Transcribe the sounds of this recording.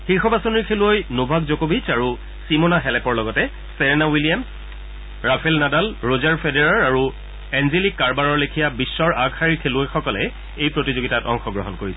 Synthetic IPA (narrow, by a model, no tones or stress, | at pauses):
xixɔbasoniɹkʰeluɔjnobʱakzokobʱit͡ʃaɹu | simonaɦɛlɛpɔɹlɔɡɔtɛ | sɛɹɛnawilijams | ɹapʰɛlnadalɹozaɹpʰedeɹaɹaɹu | ɛnzelikːaɹbaɹɔɹlekʰijabisːɔɹʔaɡhaɹiɹkʰeluojxɔkɔlɛ̰ | ejpɹotizoɡitatɔ̰ŋxɔɡɹɔɦɔnkoɹisɛ